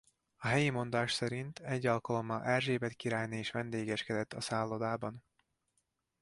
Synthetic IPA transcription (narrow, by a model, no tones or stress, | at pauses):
ɒɦɛjimo̞nd̪aːʃsɛɾint̪ʰɛɟːɒlkɒlo̞mɒlʔɛrʒeːbɛt̪kiɾaːjnieːʃʋɛnd̪eːɡɛʃkɛd̪ɛt̪ːɒsaːlːod̪aːbɒn